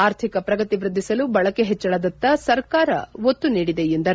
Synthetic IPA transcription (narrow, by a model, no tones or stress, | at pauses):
aːɾt̪ʰikɐpɾɐɡɐt̪iʋɾɨd̪ʱːisɐlubɐɭɐkeɦɛt͡ʃːɐɭɐd̪ɐt̪ːɐsɐɾkaːɾɐ̰ʋot̪ːuniːɽid̪ejend̪ɐɾ